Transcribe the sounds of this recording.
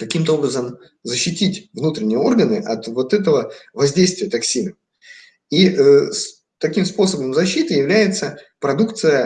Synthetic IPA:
kɐkʲimt̪əo̞bɾəzəm | zəɕːɪtʲitʲvnut̪ɾʲɪnʲɪjəo̞rɡənɨʔɐt̪vo̞t̪ɛt̪əvəvɐzʲdʲejst̪vʲɪjət̪ɐksʲinə | iəs | t̪ɐkʲimspo̞səbəmzɐɕːit̪ɨjɪvlʲæjɪt̪səpɾɐd̪ukt̪sɨjə

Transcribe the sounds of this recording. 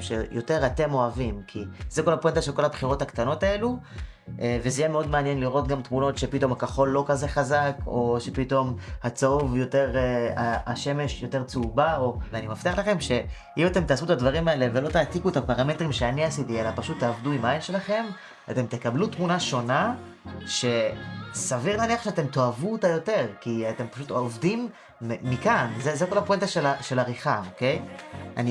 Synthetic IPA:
ʃejʔo̞te̞ʁate̞mo̞avimkʰizeko̞lapoent̪aʃe̞lko̞labχiʁo̞thakt̪ano̞tae̞lu | ʔevezejemeo̞d̪meanjenliʁo̞t̪ɡamtmuno̞tʃe̞pit̪o̞mhakaχo̞lːo̞kaze̞χazako̞ʃe̞pito̞mhat͡saovjo̞te̞ʁaaʃe̞me̞ʃjo̞te̞ʁt͡subao̞veanimaft̪eaχlaχe̞mʃe̞ | imat̪e̞mt̪aːsut̪advaʁimaele̞velo̞t̪aːt̪ikuet̪apaʁame̞t̪ʁimʃeaniasit̪ielapaʃut̪ːaːvduimaajnʃe̞laχe̞m | ate̞mt̪e̞kablut̪munaʃo̞na | ʃe̞saviʁnaniaχʃeate̞mt̪o̞avut̪ajo̞te̞ʁkiat̪e̞mpaʃut̪oavdimː | ikanzezekolapoent̪aʃelaʃe̞laʁiχaoke̞jʔa̰ni

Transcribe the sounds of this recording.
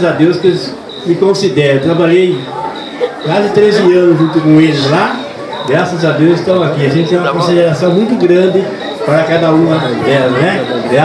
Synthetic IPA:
zad̪ewskɪ | mɪkõsid̪ɛɾet̪ɾabaʎej | kwazɪt̪ɾezɪɐ̃nʊzʒũnt̪ʊkõelɪzla | ɡɾasɐzad̪ewzɪst̪ɐ̃w̃akiaʒẽt̪t͡ʃ̪ɪɛ̃ũmɐkõsid̪eɾasɐ̃w̃mũj̃t̪ʊɡɾɐ̃nd̪ɪ | paɾɐkad̪ɐũɐd̪ɛlɐ̃ɛɛ

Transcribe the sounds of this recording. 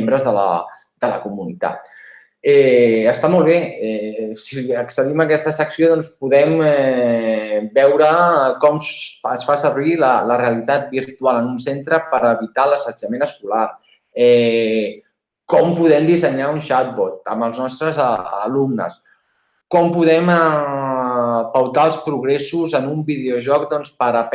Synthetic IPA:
mbɾəzðələ̰ | d̪̥ələkumunit̪a̰t̪̚ | ɛəst̪amɔlˠβeɛsiəksəðiməkɛst̪əsəksioðɔnspuðɛmɛ | bɛwɾəkɔməsfasəɾβilələreəlit̪at̪̚biɾt̪ualənunsent̪ɾəpəɾəβit̪aləsəd͡ʒəmenəskulaɾ | ɛ | kɔmpuðɛmd̪izəɲaunʃat̪̚βɔt̪̚ə̰məlˠznɔst̪ɾəzə̰lumnə̰s | kɔmpuðɛm | pəwt̪aəlˠspɾuɣɾesuzənumbiðeoʒɔk̚d̪ɔnspəɾəp

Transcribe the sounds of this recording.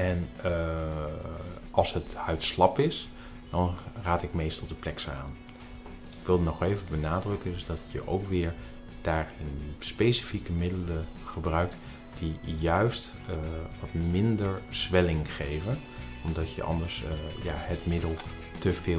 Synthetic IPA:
ɛn | ʔɑlˠsɦəthœɥtslɑpɪs | d̥ɑnraːtɪkmejstɔlˠdəplɛksa̰ːn | ɪkʋɪlˠdənɔχejvəbənaːdrɵkəndɵzdɑtjəʔo̰wkʋɪːɹ | d̥aːrɪnspejsi̥fikəmɪdələχəbrœɥk̚t | d̥ijœɥst | ʋɑtmɪndəɹz̥ʋɛlɪŋχejvən | ɔmdɑtjə̰ʔɑ̰ndəɹsja̰ːɦətmɪdəlˠ | təvɪː

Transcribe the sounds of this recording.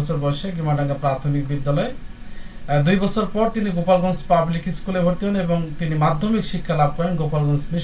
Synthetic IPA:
ɔt͡ɕʰoɾbɔʃeɡimaɖaŋɡapɾat̪ʰonik̚bid̪ːalɔe | d̪ujbɔt͡ɕʰoɾpɔɾt̪iniɡopalɡɔnspablikskulebʱoɾt̪iɦoneboŋt̪inimad̪ʱːomikʃikʰːalab̚kɔenɡopalɡɔnsmi

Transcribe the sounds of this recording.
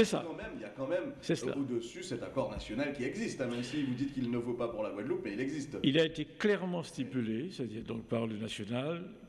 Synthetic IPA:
sɛsa̰kɑ̃mɛmiljakɑ̃mɛmsɛsla̰od̪əsysɛt̪akɔʁnasjɔnalkʲiɛɡzist̪ɛ̃mɛmsivud̪it̪kilnəvopapuʁlaɡwad̪lupmɛilɛɡzist̪ilaet̪eklɛʁmɑ̃st̪ipylesɛt̪d̪iːʁd̪ɔ̃k̚paʁlənasjɔnal

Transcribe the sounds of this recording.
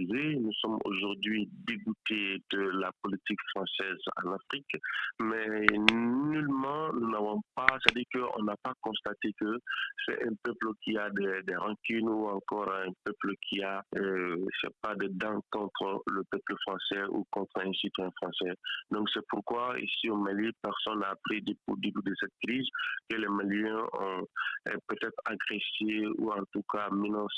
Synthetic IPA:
zenusɔmo̰ʒuʁd̪ɥid̪eɡut̪ed̪̥əlapolit̪ikfχɑ̃sɛzɑ̰̃nafχikmɛ | nylmɑ̃nunavɔ̃pasɛt̪ad̪iːʁkəʔɔ̰̃napakɔ̃st̪at̪ekəsɛ̰ʔɛ̃pœpləkʲiad̪ɛd̪ɛʁɑ̃kynuɑ̃kɔʁɛ̃pœpləkʲʰia | sɛ̰pad̪əd̪ɑ̃kɔ̃t̪χələpøpləfχɑ̃sɛṵkɔ̃t̪χɛ̃sit̪ɛ̃fχɑ̃sɛd̪ɔ̃ksɛpuɾkwaḭsiomalipɛʁsɔnːaːpɾid̪ep̚od̪ybyd̪əsɛt̪̚kɾizkəlɛmaliɛ̃ɔ̰̃ɛ̰pøt̪ɛt̪χaɡʁɛseṵɑ̃t̪ukaminɑ̃s

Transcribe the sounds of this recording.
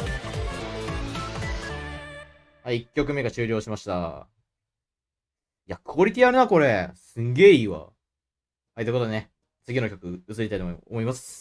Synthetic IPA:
haiːkʲːo̞k̬ɯ̟me̞ɡat͡ɕɨːɾʲo̞ːɕimaɕi̥t̪a̰ | iakɯ̟oɾʲit̪ʲiaɾɯ̟nako̞ɾesɨ̃ŋɡe̞ːiːβa̰ | hait̪ːekot̪one | t͡sɨɡʲino̞kʲo̞kɯ̟ɯt͡sɨɾʲit̪ait̪oo̰mo̞imasɨ̥

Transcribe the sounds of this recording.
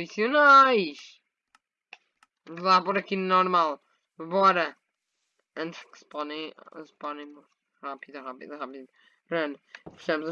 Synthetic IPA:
fisiunajʃ | lˠapɔɾɐkinɔɾmalˠ | βɔɾɐ | ɐ̃nt̪ʒ̥kɨ̥spɔnɐ̃j̃sɨ̥pɔnɐ̃j̃mu | ʁapiðuʁapḭðuʁapið | ʁɐnfi̥ʃɐmuzɐ

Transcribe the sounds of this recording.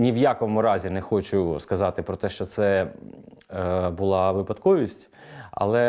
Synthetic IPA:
nʲiwjakɔmʊɾɑzʲinɛxɔt͡ʃʊskɐzɑt̪ɪpɾɔt̪ɛʃt͡ʃɔt̪sɛ | bʊlˠɑʋɪpɐd̪kɔʋʲisʲtʲ | ɐ̰lˠɛ

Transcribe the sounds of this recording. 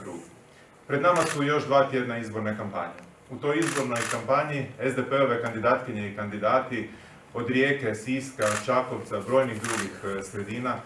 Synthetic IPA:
kɾuːɡu | pɾe̞d̪namasujo̞ʒd̪ʋaːt̪je̞d̪naizbo̞ɾnakampa̰ɲe | ut̪o̞jizbo̞ɾno̞jkampaɲiezd̪epe̞o̞ʋe̞kand̪id̪aːt̪kiɲe̞ikand̪id̪aːt̪i | o̞d̪ɾje̞ːke̞siːskat͡ʃako̞ʋt̪sabɾo̞jniɣd̪ɾuɡixsɾe̞d̪iːna

